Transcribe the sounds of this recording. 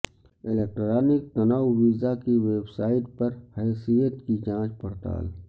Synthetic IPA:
ɪleːk̚ʈɾaːnɪk̚t̪ɐnaːwʋiːzakiʋeːbsaːɪʈ̚pɐɾhɛːsijət̪kid͡ʒãːt͡ʃpɐɽt̪a̰ːl

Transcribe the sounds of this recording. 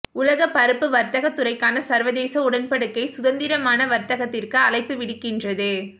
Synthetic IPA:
ʊlɐɣɐpɐɾɯpːɯʋɐɾt̪ɐɣɐt̪ːɯrɐɪkːaːnɐsɐɾʋɐðeːsɐʊɽɐnpɐɽɯkːɐɪsʊðɐnd̪ɪɾɐmaːnɐʋɐɾt̪ɐɣɐt̪ːɪrkɯɐlɐɪpːɯʋɪɽɯkːɪndrɐðɯ

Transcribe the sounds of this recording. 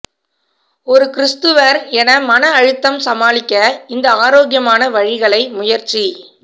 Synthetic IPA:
ɔɾɯkɪɾɪst̪ɯʋɐɾɛnɐmɐnɐːɻɯt̪ːɐmsɐmaːlɪkʲːɐɪnd̪ɐaːɾoːɣjɐmaːnɐʋɐɻɪɣɐɭɐɪmʊjɐɾt͡ʃi

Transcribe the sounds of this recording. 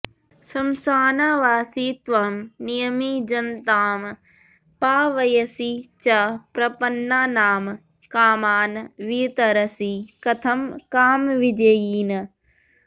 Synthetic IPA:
sɐmsaːnaːʋaːsiːt̪ʋamnijɐmid͡ʒɐnt̪aːm | paːʋɐjɐsit͡ʃɐpɾɐpɐnːaːnaːm | kaːmaːnʋiːt̪ɐɾɐsikɐt̪ʰɐmkaːmʋid͡ʒɐjiːn

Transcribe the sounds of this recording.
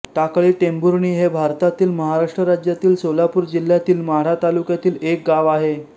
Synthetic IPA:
t̪akɭiːʈembuɾɳiːɦebʱaɾt̪at̪iːlməɦaɾaʂʈɾəɾad͡ʑjat̪iːlsolapuːɾd͡ʑil̤ːjat̪iːlməɦaɾat̪alukjat̪iːlek̚ɡaʋaɦe

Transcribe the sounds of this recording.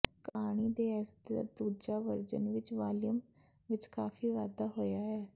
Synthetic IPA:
kaːɽ̃iːd̪eːɛːsd̪a̰ːd̪uːd͡ʒaːʋəɾd͡ʒə̰nʋɪt͡ʃʋaːlɪjəm | ʋɪt͡ʃkaːfiːʋaːd̪aːɦoːjaːɛː

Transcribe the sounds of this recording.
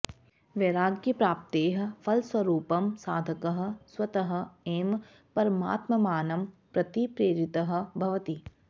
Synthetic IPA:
ʋeɾaːɡjɐpɾaːp̚t̪eːɦɐ̆fʰɐlswɐɾuːpɐmsaːd̪ʱɐkɐɦɐ̆swɐt̪ɐɦɐ̆eːm | pɐɾma̰ːt̪mɐmaːnɐmpɾɐt̪ipɾeːɾɪt̪ɐɦ̆bʱɐʋɐt̪i

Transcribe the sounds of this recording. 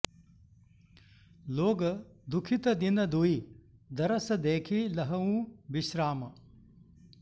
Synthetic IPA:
loːɡɐd̪ukʰit̪ɐd̪inɐd̪uid̪ɐɾɐsɐd̪eːkʰilɐɦɐũːbiʃɾaːmɐ

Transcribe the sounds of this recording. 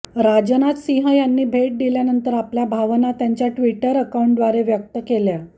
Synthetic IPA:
ɾad͡ʑənat̪siɦəjanːiːbʱeʈ̚d̪iljanənt̪əɾapljabʱaʋnat̪jaɲt͡ɕjaʈʋiʈəɾəkaũɳʈd̪ʋaɾeʋjək̚t̪əkelja

